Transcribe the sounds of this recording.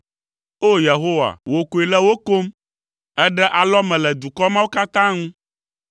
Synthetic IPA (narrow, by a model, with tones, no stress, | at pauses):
o˦je˨ɦo˦wa̰˨wo˨ko˨i˨lɛ˦wo˦ko˦m | ɛ˦ɖɛ˦ʔa˨lɔ˦mɛ̃˨lɛ˨d̪u˨kɔ˦mã˦wo˦ka˦t̪ã˦ŋũ˦